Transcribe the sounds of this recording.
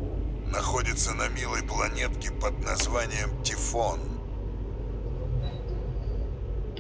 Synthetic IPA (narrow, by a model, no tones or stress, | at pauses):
nɐxodʲɪt̪sənɐmʲilˠəjplˠɐnʲet̪kʲɪpəd̪̚nɐzvanʲɪjəmtʲɪfon